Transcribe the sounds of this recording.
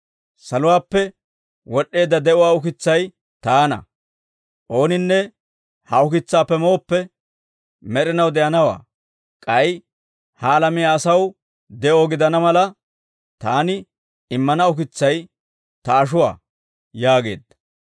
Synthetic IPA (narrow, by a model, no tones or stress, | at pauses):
sɐlʊwaːpːɛ | wɔɗːe̞ːd̪ːɐd̪ɛʊwaːʊkɪt͡sːɐj | t̪aːnɐ̰ | ʔo̞ːnɪnːɛ | hɐʊkɪt͡sːaːpːɛmoːpːɛ | mɛɾɪnɐwd̪ɛjɐnɐwa̰ː | kʼɐj | hɐːlɐmɪjaːɐsɐw | d̪ɛʔo̞ːɡɪd̪ɐnɐmɐlɐ | t̪aːnɪ | ɪmːɐnɐʊkɪt͡sːɐj | t̪ɐːʃ̬ʊwa̰ː | jaːɡe̞̰ːd̪ːɐ